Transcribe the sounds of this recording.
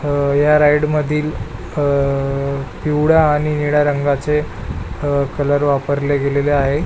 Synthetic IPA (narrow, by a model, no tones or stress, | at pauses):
jaɾajɽməd̪ʱiːl | piwɽaːɽ̃iniɽaɾəŋɡat͡se | kələɾʋapəɾleɡeleleaɦe